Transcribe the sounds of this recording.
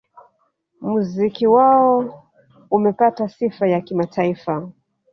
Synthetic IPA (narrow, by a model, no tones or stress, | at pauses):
muzikiwaɔ | umɛpatasifajakimatʰaifa